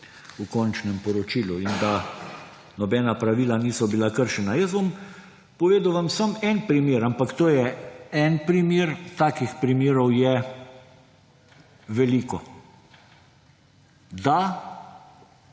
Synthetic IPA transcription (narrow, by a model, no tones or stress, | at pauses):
ukɔnt͡ʃnɛmpɔɾɔt͡ʃiːluind̪a | nɔbɛːnapɾaʋiːlaniːsɔbilakəɾʃɛnajəs̬bom | pɔʋeːd̪ʊʋamsəmɛnpɾimeːɾampakt̪oːjɛɛnpɾimeːɾt̪aːkixpɾimeːɾɔwjɛ | ʋɛliːkɔ | d̪a